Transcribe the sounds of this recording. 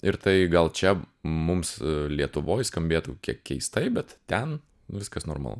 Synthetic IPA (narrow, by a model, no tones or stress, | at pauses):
ɪɾt̪ɐɪɡɐlˠt͡ʃʲɛ | mʊmslʲiɛt̪ʊʋoːjskɐmʲbʲeːt̪ukʲiɛkkʲːɛɪst̪ɐɪbʲɛt̪t̪ʲɛn | ʋʲɪskɐsno̰ːrmɐ̰lˠṵ